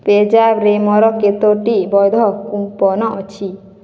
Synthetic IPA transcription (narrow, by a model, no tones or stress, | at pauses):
ped͡ʒabɾemɔɾɔket̪oʈibɔjd̪ʱɔkumpɔnɔʔɔt͡ʃʰi